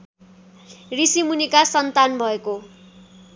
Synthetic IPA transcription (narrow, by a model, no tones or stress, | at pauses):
risimunikasʌnt̪anbʱʌeko